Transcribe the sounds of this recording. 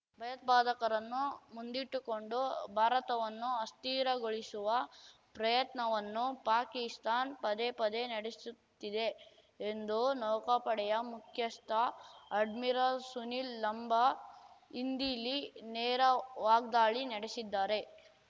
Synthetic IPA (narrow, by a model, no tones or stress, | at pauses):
bʱɐjɐt̪̚baːd̪ɐkɐɾɐnːumund̪iʈːuko̞ɳɖubʱaːɾɐt̪ɐʋɐnːuɐst̪iːɾɐɡoɭisuʋɐ | pɾɐjɐt̪nɐʋɐnːupaːkist̪ʰaːnpɐd̪epɐd̪enɐɽesut̪ːid̪e̞ː | nd̪unɔːkɐpɐɽɛjɐmukʰjɐst̪ʰɐɐɖmiɾasunilːɐmbʱɐ | ind̪ilinɛːɾɐʋaːɡ̚d̪aːɭinɐɽesid̪ːaːɾe̞